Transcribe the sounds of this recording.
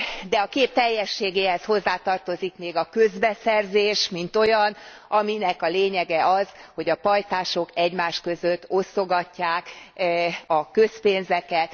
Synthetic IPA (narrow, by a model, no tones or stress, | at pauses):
d̪ɛɒkeːp̚t̪ɛjːɛʃːeːɡeːhɛsho̞zːaːt̪ɒrt̪o̞zikmeːɡɒkøzbɛsɛrzeːʃmint̪o̞jɒn | ʔɒminɛkɒleːɲɛɡɛʔɒz̥ho̞ɟɒpɒjt̪aːʃo̞kɛɟmaːʃkø̞zøt̪ːo̞sːo̞ɡɒcːaːk | ɒkø̞speːnzɛkɛt̪